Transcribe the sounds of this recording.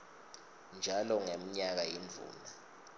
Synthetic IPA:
nd͡ʒʱalɔŋem̩ɲak̬ajind͡vʱṵːna

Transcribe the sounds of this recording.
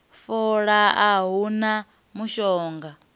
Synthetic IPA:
fɔɺaaɦuna | muʃɔːŋɡa

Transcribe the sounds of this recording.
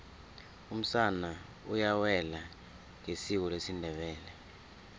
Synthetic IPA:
um̩sana | ujawɛla | ŋesiwɔlesindʱɛɓɛːlɛ

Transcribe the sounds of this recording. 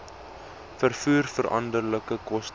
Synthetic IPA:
fərfuːrfəɾʔɐ̰ndərləkəkɔst

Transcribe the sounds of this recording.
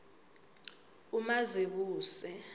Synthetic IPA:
umazeɓ̬uːsɛ

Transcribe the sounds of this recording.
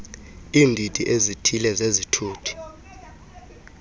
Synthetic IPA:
iːndʱitʼiʔezitʰilɛzezitʰuːtʰi̥

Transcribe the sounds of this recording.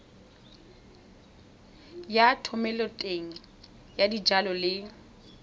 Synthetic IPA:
jatʰɔmɛlɔtʼeŋ̩ | jadid͡ʒalɔlɪ

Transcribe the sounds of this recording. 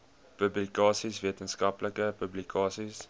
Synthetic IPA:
pɵblikɑːsisviətənskɐpləkəpɵblikɑːsis

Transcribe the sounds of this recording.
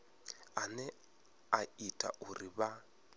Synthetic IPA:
anɛ | aitʼa̰ʔuriβa

